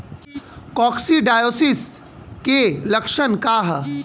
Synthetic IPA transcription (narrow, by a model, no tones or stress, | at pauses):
kɔːksiɖaːjoːsɪs | kelɐkʃənkaːɦ